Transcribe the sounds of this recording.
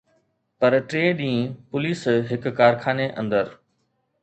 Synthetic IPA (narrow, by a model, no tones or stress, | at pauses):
pɐɾʈɾeːɗĩːpʊliːsɦɪkːaːɾkʰaːneʔɐ̰̃nd̪əɾ